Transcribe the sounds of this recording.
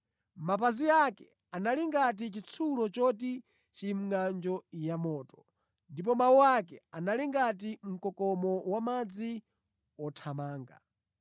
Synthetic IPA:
map̬aziakɛ | analiŋɡat̬it͡ʃit͡sʰulɔt͡ʃɔt̬i | t͡ʃim̩ŋand͡ʒɔjamɔːtɔ̥ | ndip̬ɔmawuwakɛanaliŋɡat̬im̩kɔkɔmɔwamad͡zi | ɔtʰamaːŋɡa̰

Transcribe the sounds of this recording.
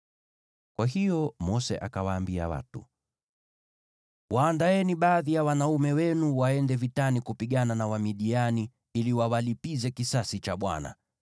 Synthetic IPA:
kwaɦijɔmɔsɛ̰ʔa̰kawaːmbia̰wa̰tṵ | wʔaːndaɛniɓaːðijawanaumɛwɛnuwaɛndɛvitanikupiɠananawamiɗiani | iliwawalipizɛkisasit͡ʃaɓwa̰na̰

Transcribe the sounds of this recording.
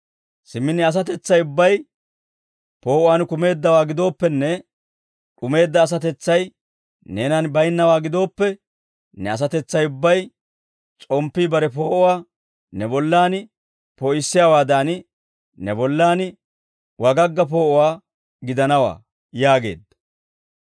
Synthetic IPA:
sɪmːɪnːɪɐs̬ɐt̪ɛt͡sːɐjʊbːɐj | po̞ːʔʊwaːnkʊme̞ːd̪ːɐwaːɡɪd̪o̞ːpːɛnːɛ | ᶑʊme̞ːd̪ːɐːs̬ɐt̪ɛt͡sːɐj | ne̞ːnɐnbɐjnːɐwaːɡɪd̪o̞ːpːɛ | nɛɐs̬ɐt̪ɛt͡sːɐjʊbːɐj | t͡sʼɔmpːiːbɐɾɛpo̞ːʔɔwaː | nɛbɔlːaːnɪ | pɔɪsːɪjaːwaːd̪aːnɪ | nɛbɔlːaːnɪ | wɐɡɐɡːɐp̬o̞ːʔʊwaː | ɡɪd̪ɐnɐwa̰ː | jaːɡe̞̰ːd̪ːɐ

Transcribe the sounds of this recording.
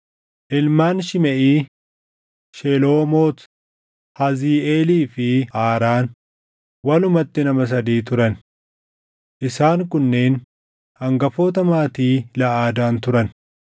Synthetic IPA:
ʔɪlmaːnʃɪmɛʔiː | ʃeloːmoːt̪ | hɐziːeːliːfɪaːɾaːn | wɐlʊmɐt̪ːɪnɐmɐs̬ɐd̪iːt̪ʊɾɐn | ʔɪsaːŋkʊnːe̞ːn | hɐŋɡɐfo̞ːt̪ɐmaːt̪iːlɐʔaːd̪aːnt̪ʊɾɐn

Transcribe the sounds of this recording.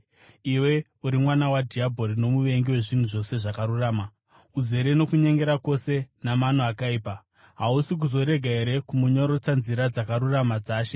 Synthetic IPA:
iwe̞ | uɾimwanawadʱiabʱo̞ɾino̞muʋe̞ŋɡiwe̞ʐin̤uʐo̞se̞ʐakaɾuraːma | uze̞ɾeno̞kuɲe̞ŋɡe̞ɾako̞se̞namanoakaiːpa | ɦausik̬uzo̞ɾe̞ɡʱaeɾe̞kumuɲo̞ɾo̞t͡sanziɾad͡zakaɾuramad͡zaːʃe

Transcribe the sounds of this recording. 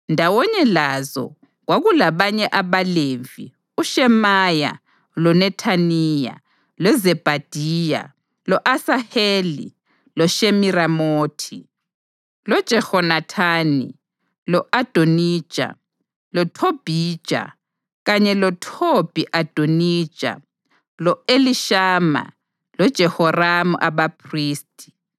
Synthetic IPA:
ndʱawɔɲɛlazɔ̰ | ɣwaɣulaβaɲɛʔaβalevi | uʃɛmaja̰ | lɔnɛtʰanija̰ | lɔzɛb̥ʱad̥ʱiːja̰ | lɔʔasahelḭ | lɔʃemiɾamoːtʰi | lɔd̥ʒ̥ʱɛhɔnatʰaːnḭ | lɔʔad̥ʱonid̥ʒ̥ʱʼa̰ | lɔtʰob̥ʱiːd̥ʒ̥ʱʼa̰ | ɣaɲɛlɔtʰob̥ʱiʔad̥ʱonid̥ʒ̥ʼʱa̰ | lɔeliʃaːma̰ | lɔd̥ʒ̥ʱɛhɔramṵʔaβapʰriːstʼi̥

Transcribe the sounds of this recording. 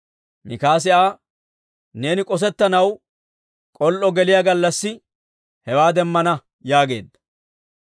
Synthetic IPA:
mɪkaːs̬ɪʔaː | ne̞ːnɪkʼɔs̬ɛt̪ːɐnɐw | kʼɔlʔɔɡɛlɪjaɡɐlːɐsːɪ | hɛwaːd̪ɛmːɐnɐ | jaːɡe̞̰ːd̪ːɐ̥

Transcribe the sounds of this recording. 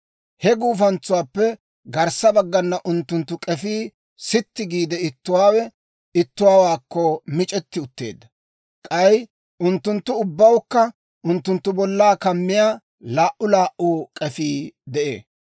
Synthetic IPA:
hɛɡuːfɐnt͡sʊwaːpːɛ | ɡɐɾsɐbɐɡːɐnːɐʔʊnt̪ːʊnt̪ːʊkʼɛfiː | sɪt̪ːɪɡiːd̪ɛɪt̪ːʊwaːwɛ | ɪt̪ːʊwaːwaːkːɔmɪt͡ʃʼɛt̪ːɪʊt̪ːe̞̰ːd̪ːɐ | kʼɐj | ʔʊnt̪ːʊnt̪ːʊʊbːɐwkːɐ | ʊnt̪ːʊnt̪ːʊbɔlːaːkɐmːɪjaː | laːʔʊlaːʔuːkʼɛfiːd̪ɛʔḛː

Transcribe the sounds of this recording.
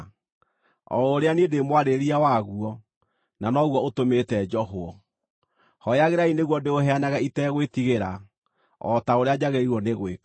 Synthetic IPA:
ɔ̰oɾeaniedemwaɾeɾiawaɣuɔ | nanɔɣwɔotometɛd͡ʒɔɦoɔ | hɔjaɣeɾaineɣwɔdeoɦɛanaɣaitɛɣwetiɣeɾa | ɔ̰taoɾead͡ʑaɣeɾiɾwɔneɣwek

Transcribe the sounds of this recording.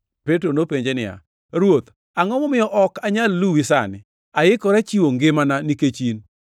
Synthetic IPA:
petɾonopeɲd͡ʒenɪja̰ | ɾwot̪ | aŋɔmɔmɪjɔʔɔkaɲalːuwisa̰nɪ̰ | aɪkɔɾat͡ʃiwoŋɡɪmananiket͡ʃin

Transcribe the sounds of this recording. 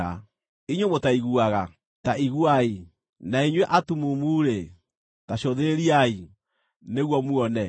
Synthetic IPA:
a | iɲomotaiɣuaɣa | taiɣuai | naiɲwɛʔatumumuːɾe | taɕoðeɾeɾiai | neɣwɔmuɔnɛ

